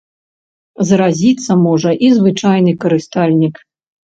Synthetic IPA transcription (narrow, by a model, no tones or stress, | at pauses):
zɾazʲit̪sːɐmɔʐɐʔizvɨt͡ʂajnɨkɐɾɨst̪alʲnʲik